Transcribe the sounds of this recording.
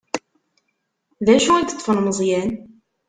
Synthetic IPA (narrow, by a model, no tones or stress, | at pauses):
ðæʃuæɡt̪ˤːfənməzˤjæn